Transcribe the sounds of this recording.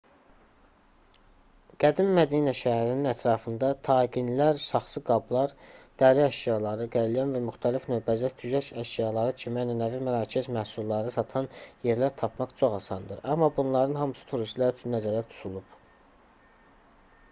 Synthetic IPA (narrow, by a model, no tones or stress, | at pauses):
ɡ̥æd̪imːæd̪iːnæʃæhæɾininæt̪ʰɾɑːfɯnd̪ɑt̪ʰɑːɡinlæɾsɑχsɯɡɑblˠɑɾd̪̥æːɾiæʃjɑlˠɑɾɯɡæɾlijɑnvæmyxt̪ʰælifnøːbæzæt̪ʰyzæʃæʃjɑlˠɑɾɯt͡ʃʰimæjnænævæmæɾɑːcʰezmæhsulˠːɑɾɯsɑt̪ʰɑnje̞ɾlæɾt̪ʰɑpʰmɑχt͡ʃʰo̞χɑsɑnd̪ɯɾɑmːɑbunlˠɑɾɯnhɑmɯsɯ̥t̪ʰuɾiʃlˠɑɾyt͡ʃʰynːæzæɾæt̪ʰu̥t̪ʰulˠub̥